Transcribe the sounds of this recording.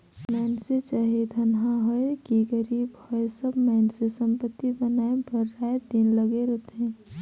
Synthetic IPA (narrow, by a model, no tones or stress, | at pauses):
mɛːnset͡ʃaːɦed̪ʱənɦaɦoekiɡəɾiːbhɔesəbmɛːnsesə̃mpət̪ːibənaːebʱəɾːaːed̪inləɡeɾot̪ʰẽ